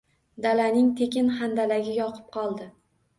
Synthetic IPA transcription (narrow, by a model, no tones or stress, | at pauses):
d̪alanɪŋt̪ʰekʲɪnχand̪alaɡʲɪjɒqʰɨ̥p̚qʰɒlˠd̪ɪ